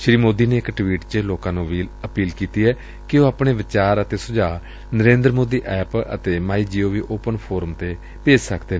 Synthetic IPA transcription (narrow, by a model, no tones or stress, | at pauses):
ʃɾiːmoːd̪iːneːɪkʈʋiːʈt͡ʃəloːkãːnũːʋiːləpiːlkiːt̪iːɛː | kɪoːaːpɽ̃eːʋɪt͡ʃaːɾət̪eːsʊd͡ʒaː | nəɾẽːnd̪ɾmoːd̪iːʔɛːpə̰t̪eːmaːiːd͡ʒiːoːʋiːʔoːpənpʰoːɾəmt̪eː | peːd͡ʒsəkʰd̪eː